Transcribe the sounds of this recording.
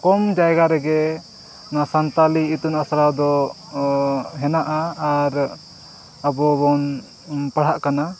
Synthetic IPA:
kɔmd͡ʒajɡaɾɛɡɛ | nasant̪aliːt̪unasɾawd̪ɔ | ɦɛnaʔaːɾ | əbɔbɔn | paɽ̤aʔkana

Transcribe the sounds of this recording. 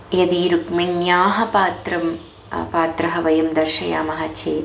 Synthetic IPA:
jɐd̪iːɾukmiɳjaːɦɐpaːt̪ɾɐm | paːt̪ɾɐɦɐʋɐjumd̪ɐrʃɐja̰ːmɐɦɐt͡ʃʰeː

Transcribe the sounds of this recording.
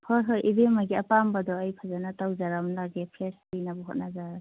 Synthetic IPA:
pʰɔɾɦɔjʔibemaɡiapambadɔːjpʰazanatawzaɾamlaɡepʰɾespijnabɔɦot̚nazaɾa

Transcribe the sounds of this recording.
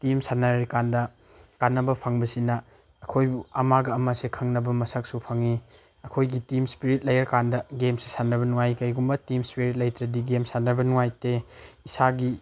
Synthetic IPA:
timsanɐɾɾikandɐ | kanːɐbɐpʰɐŋbɐsinɐː | kʰojbuɐmaɡɐːmɐsekʰɐŋnɐbɐmɐsɐk̚supʰɐŋi | ɐkʰojɡitimspiɾit̚lɐjɐɾkandɐɡemsi̥sanɐbɐnuŋajkɐjɡumbɐtimspiɾit̬̚lɐjtɾɐdiɡemsanɐbɐnuŋajteisaɡi

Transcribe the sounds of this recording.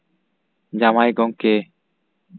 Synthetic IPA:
d͡ʒamajɡɔŋke

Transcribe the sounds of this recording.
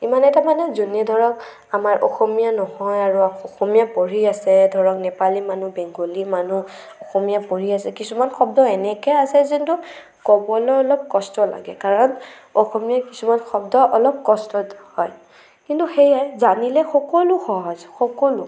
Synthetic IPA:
imanɛtamanɛzuniadʱɔɹɔk | amaɹʔɔ̰xɔmijanɔhɔjaɹuaɔxɔmijapoɹiasɛdʱɔɹɔknɛpalimanubɛŋɡolimanu | ɔxɔmijapoɹiasɛkisumanxɔb̚dɔɛnɛkɛasɛzintu | kɔbɔlɔɔlɔp̚kɔstɔla̰ɡɛkaɹɔn | ɔxɔmijakisumanxɔbdɔʔɔlɔp̚kɔstɔthɔj | kintuxejajzanilɛxɔkɔluxɔɦɔzxɔkɔlu

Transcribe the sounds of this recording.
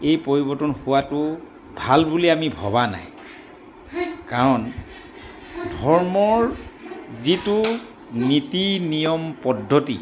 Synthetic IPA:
ejpoɹibɔɹtɔnhuwatʊ | bʱalbuliamibʱɔ̰βana̰j | kaɹɔn | dʱɔɹmɔɹ | zitu | nitinijɔmpɔdʱːotḭ

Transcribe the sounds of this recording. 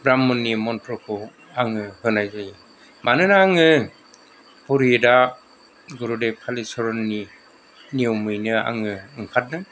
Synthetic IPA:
bɾamːɔnːimɔntʰɾɔkʰɔ | aŋɯhɯnajzaji | manɯnaaŋɯ | puɾijeda | ɡuɾudepʰalisɔɾɔnːi | niowmɯjnɯa̰ŋɯɯŋkʰat̚nɯ

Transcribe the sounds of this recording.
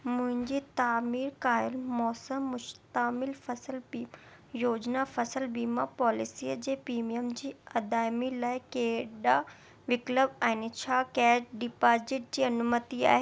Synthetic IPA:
mʊ̃ɦɪ̃ɲd͡ʑit̪aːmiːɾkaːjɪlmɔːsəmːʊʃt̪əmɪlfɐsəlbiː | joːd͡ʑnafɐsəlbiːmapɔːlɪsiːəd͡ʑeːpiːmiəmd͡ʑiːɐd̪aːɪmilaːɪkeːɗa | ʋɪkləbɛ̃ːnɪt͡ɕʰaːkɛːʈɖɪpaːzɪʈ̚d͡ʑiːɐnumət̪ia̰ːɦe

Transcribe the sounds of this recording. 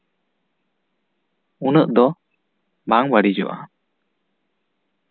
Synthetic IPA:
unəʔd̪ɔ | baŋwəɽid͡ʒɔ̰ʔa̰

